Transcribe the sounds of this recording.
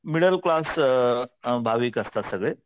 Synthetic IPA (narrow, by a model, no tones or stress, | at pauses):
miɽɐɾklaːs | bʱaːʋikɐst̪asɐɡɭe